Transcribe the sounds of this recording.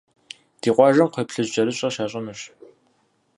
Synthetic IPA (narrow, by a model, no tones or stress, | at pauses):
d̥iːqʷɑːʒɐmqʷepɬɨʑt͡ʃʼɐɾɨɕʼɐʃaːɕʼɐnɨɕ